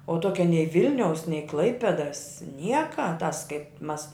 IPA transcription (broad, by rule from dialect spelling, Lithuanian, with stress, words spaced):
oː ˈtuɔkʲɛ nʲɛɪ ˈʋʲɪlʲnʲɛʊs nʲɛɪ ˈklˠɐɪpʲɛdɐs ˈnʲiɛkɐ tɐs kɐɪp mɐs